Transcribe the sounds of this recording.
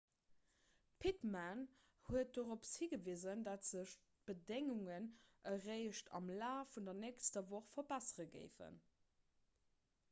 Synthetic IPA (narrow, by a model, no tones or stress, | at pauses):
pʰitman | huət̚doʁopshiɡəviːzəndɑtz̥əʃ | b̥ədeŋuŋənʔəʁeɪʃtʰɑ̰mlaːfundɐnɛːkstəvoχfɐbæsəʁəɡə̰ɪfə̰n